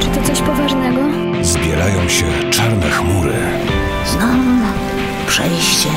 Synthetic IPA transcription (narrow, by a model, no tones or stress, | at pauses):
t͡ʂɨt̪ɔt̪sɔɕpɔvaʐnɛɡɔ | zbʲjɛɾajɔ̃w̃ɕɛ | t͡ʂaɾnɛxmuɾɘ̰ | znɔ | pʂɛjɕt͡ɕɛ